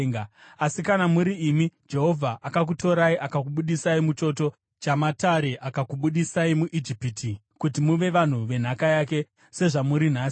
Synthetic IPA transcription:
ŋasikanamuɾiːmid͡ʒe̞ɦo̞vʱaʔakak̬uto̞ɾaiʔakakuɓuɗisaimut͡ʃo̞to̞ | t͡ʃamataɾe̞ʔakakuɓuɗisaimuʔid͡ʒipitʰi | kut̬imuʋe̞ʋan̤uʋe̞n̤akajak̬e̞ | se̞ʐamuɾin̤aːs

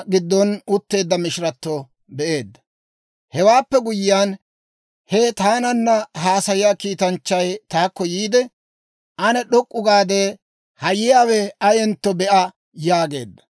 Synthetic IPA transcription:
ɡɪd̪ːɔnʊt̪ːe̞ːd̪ːɐmɪʃɾɐt̪ːo | bɛʔe̞ːd̪ːɐ̥ | hɛwaːpːɛɡʊjɪːjaːn | hɛt̪aːnɐnːɐɦaːsɐjɪjaːkiːt̪ɐnt͡ʃːɐjt̪aːkːɔjiːd̪ɛ | ʔɐnɛɗɔkʼːʊɡaːd̪eː | hɐjɪjaːwɛɐjɛnt̪ːɔbɛʔɐ | jaːɡe̞̰ːd̪ːɐ̥

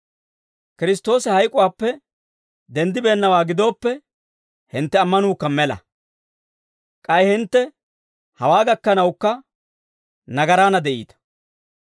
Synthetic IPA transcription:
kɪɾɪst̪ːo̞ːsɪhɐjkʼʊwaːpːɛ | d̪ɛnd̪ɪbe̞ːnːɐwaːɡɪd̪o̞ːpːɛ | hɪnt̪ːɛɐmːɐnuːkːɐmɛlɐ̰ | kʼɐjɪhɪnt̪ːɛ | hɐwaːɡɐkːɐnɐwkːɐ | nɐɡɐɾaːnɐd̪ɛʔḭːt̪ɐ̥

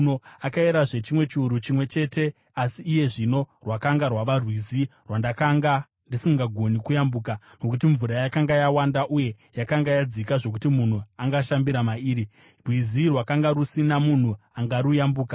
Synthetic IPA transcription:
noakaeɾaʐe̞t͡ʃimwe̞t͡ʃiuɾut͡ʃimwe̞t͡ʃe̞te̞ | asiːje̞ʐino̞rwakaŋɡarwaʋarwizirwandakaŋɡa | ndisiŋɡaɡʱo̞nikujambuːka | nokut̬iɱvuɾajakaŋɡajawandaʔuje̞ | jakaŋɡajad͡zikaʐo̞kutimun̤uaŋɡaʃambiɾamaiːɾi | rwizirwakaŋɡaɾusinamun̤uaŋɡaɾujambuːka

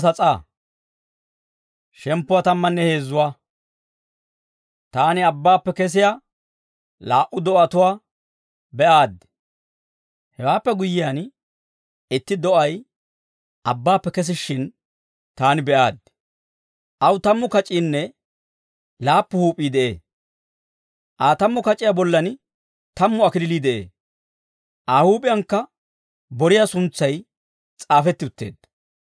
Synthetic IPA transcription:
sɐt͡sʼaː | ʃɛmpːʊwat̪ɐmːɐnːɛhe̞ːzːʊwaː | t̪aːnɪɐbːaːpːɛkɛs̬ɪja | laːʔʊd̪ɔɐt̪ʊwaː | bɛʔaːd̪ɪ | hɛwaːpːɛɡʊjɪjan | ɪt̪ːɪd̪ɔʔɐj | ʔɐbːaːpːɛkɛs̬ɪʃːɪn | t̪aːnɪbɛʔaːd̪̚ | ʔɐwt̪ɐmːʊkɐt͡ʃʼːiːnːɛ | laːpːʊhuːpʼːiːd̪ɛʔeː | ʔaːt̪ɐmːʊkɐt͡ʃʼːɪjabɔlːɐn | t̪ɐmːʊɐkɪlɪliːd̪ɛʔḛː | ʔaːhuːpʼɪjɐŋkːɐ | bɔɾɪjasʊnt͡sːɐj | t͡sʼaːfɛt̪ːɪʊt̪ːeːd̪̥

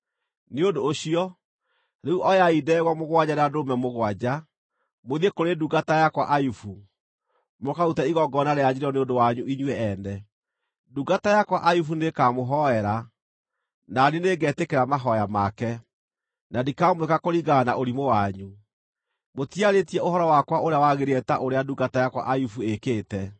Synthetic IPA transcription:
neondoːɕiɔ | ɾeuʔɔjaidɛɣwɔmoɣwaɟaɾeadomɛmoɣwad͡ʑa | moðekoɾeduɡatajakwaʔajufu | mokautaiɣɔɡɔnaɾead͡ʑiɾɔneondowaɲuiɲwɛɛnɛ | duɡatajakwaʔajufunekaːmoɦɔɛɾa | naneneɡɛːtekeɾamaɦɔjamakɛ | nadikamwekakoɾiɣanaʔoɾimowaɲu | motiaɾetiɛoɦɔɾɔwakwaʔoɾeawaɣeɾeɛtaʔoɾeaduɡatajakwa̰ʔajufuekeːtɛ

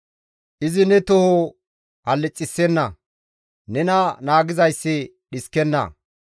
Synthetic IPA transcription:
ʔɪzɪnɛt̪ɔho | hɐlːɪt͡sʼːɪsːɛnːɐ | nɛnɐnaːɡɪzɐjsːɪ | ɗɪskɛnːɐ̰

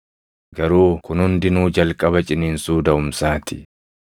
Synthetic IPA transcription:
ɡɐɾuːkʊnhʊnd̪ɪnuːd͡ʒɐlkʼɐbɐt͡ʃʼɪniːnsuːd̪ɐʊmsaːt̪ɪ

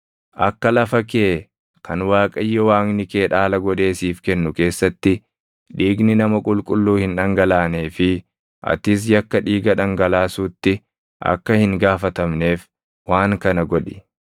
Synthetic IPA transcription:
ʔɐ̰kːɐlɐfɐkeː | kʰɐnwaːkʼɐjːɔwaːŋnɪkeːᶑaːlɐɡɔᶑe̞ːsiːfkɛnːʊke̞ːsːɐt̪ːɪ | ᶑ̪iːɡnɪnɐmɐkʼʊlkʼʊlːuːhɪnᶑɐŋɡɐlaːne̞ːfɪ | ʔɐ̰t̪ɪs̬jɐkːɐᶑiːɡɐᶑɐŋɡɐlaːsuːt̪ːɪ | ʔɐ̰kːɐhɪŋɡaːfɐt̪ɐmne̞ːf | waːŋkɐnɐɡɔᶑɪ̥

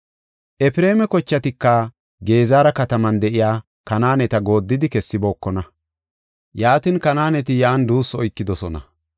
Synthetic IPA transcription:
ʔɛpɪɾe̞ːmɛkɔt͡ʃːɐt̪ɪkːɐ | ɡe̞ːzaːɾɐkɐt̪ɐmɐnd̪ɛʔɪjaː | kɐnaːnɛt̪ɐɡo̞ːd̪ːɪd̪ɪkɛsːɪbo̞ːkːɔnɐ | jaːt̪ɪnkɐnaːnɛt̪ɪjaːnd̪uːsɔjkːɪd̪ɔsɔnɐ̰

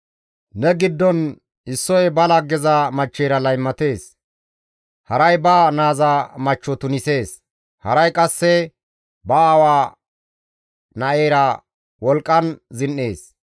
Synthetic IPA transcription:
nɛɡɪd̪ːɔn | ɪsːɔjbɐlɐɡɛzɐmɐt͡ʃːeːɾɐlɐjmːɐt̪e̞ːs | hɐɾɐjbaːnaːzamɐt͡ʃːɔt̪ʊnɪse̞ːs | hɐ̰ɾɐjkʼɐsːɛ | bɐːwaː | nɐʔeːɾɐ | wɔlkʼːɐnzɪnːeːs

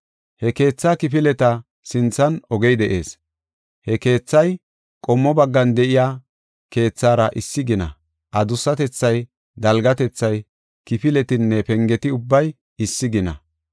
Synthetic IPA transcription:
hɛke̞ːt͡sːaːkɪpɪlɛt̪ɐ | sɪnt͡sːɐnɔɡɛjd̪ɛʔe̞ːs | hɛke̞ːt͡sːɐj | kʼɔmːɔbɐɡːɐnd̪ɛʔɪjaː | ke̞ːt͡sːaːɾɐʔɪsːɪɡɪnɐ̰ | ʔɐd̪ʊsːɐt̪ɛt͡sːɐj | d̪ɐlɡɐt̪ɛt͡sːɐj | kɪpɪlɛt̪ɪnːɛpɛŋɡɛt̪ɪʊbːɐj | ɪsːɪɡɪnɐ̰

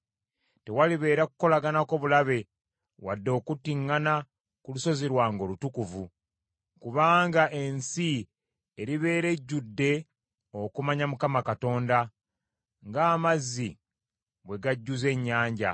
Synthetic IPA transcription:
te̞waliβe̞ːɾakuko̞laɡanako̞βulaβe̞ | wa̰dːo̞ːkutiŋːana | kuluso̞ziɾwaːŋɡo̞lutukuvu | kuβaːŋɡaʔe̞nsi | eɾiβe̞ːɾe̞ɟːudːe̞ | o̞kumaɲamukamakato̞ːnda | ŋɡaːmazːi | bwe̞ɡaɟːuze̞ɲːaːɲɟa

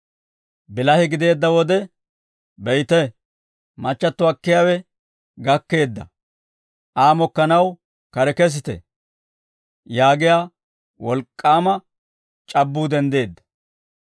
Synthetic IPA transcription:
bɪlɐhɪɡɪd̪e̞ːd̪ːɐwɔd̪ɛ | bɛjt̪ɛ | mɐt͡ʃːɐt̪ːʊɐkːɪjaːwɛ | ɡɐkːe̞ːd̪ːɐ̰ | ʔaːmɔkːɐnɐw | kɐɾɛkɛs̬ɪt̪ɛ̰ | jaːɡɪjaː | wɔlkʼːaːmɐ | t͡ʃʼɐbːuːd̪ɛnd̪e̞ːd̪ːɐ̥

